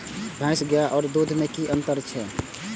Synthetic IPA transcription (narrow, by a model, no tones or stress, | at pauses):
bʱãɪsɡəjaʔɔːɾd̪od̪ʱmekiʔənt̪əɾt͡ʃʰɛ